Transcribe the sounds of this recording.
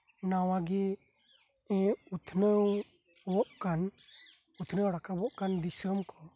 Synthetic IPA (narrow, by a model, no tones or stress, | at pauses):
nawaɡi | ɛ̃ut̪ʰnəw | wɔʔkan | ut̪ʰnəwɽakabɔʔkand̪isəmkɔ